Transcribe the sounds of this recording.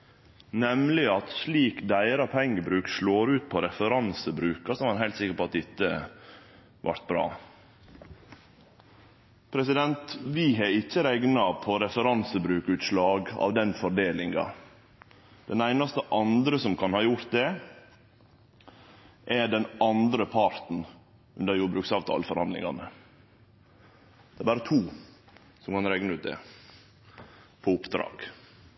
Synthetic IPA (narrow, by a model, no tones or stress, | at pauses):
nɛmlɪɑt̪sliːkd̪æɪɾɑpʰɛŋːəbɾʉːkʃloːɾʉːt̪̚pʰɔɾɛfəɾɑnsəbɾʉːkɑsɔmɑhæɪlt̪sɪkːəɾpɔɑt̪̚d̪ɪt̪ːə | ʋʔɑ̰ɾt̪̚bɾɑ̰ː | pʰɾɛsɪd̪ɛnt̪ʋɪɦɛɪçːəɾɛɡnɑpʰɔɾɛfəɾɑnsəbɾʉːkʉːt̪slɑːɡɑ̰ːʋd̪ɛnfɔɖeːlɪŋɡɑ̰ | d̪̥ɛnæɪnɑst̪əʔɑnd̪ɾəsɔmkʰɑnhɑːjʊɾt̪̚d̪ɛ | ʔɛɖɛnɑnd̪ɾəpʰɑɾt̪n̩ | ʉnd̪əɾjuːbɾʉːksɑːʋt̪ʰɑ̰ːlfɔɾhɑnd̪lɪ̰ŋɑ̰nə | d̪̥ɛæɾbɑːɾət̪ʰuː | sɔmkɑnɾæɪnəʉːt̪̚d̪ɛ̰ | pʰɔʊpd̪ɾɑ̰ːɡ̥